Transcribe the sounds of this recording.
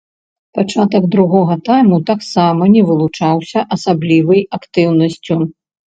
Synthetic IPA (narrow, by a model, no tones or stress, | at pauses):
pat͡ʂat̪ɐɡd̪ɾuɣɔɣɐt̪ajmut̪aksamɐnʲɛvɨlˠut͡ʂawsʲɐʔɐsablʲivɨjakt̪ɨwnɐsʲt͡sʲu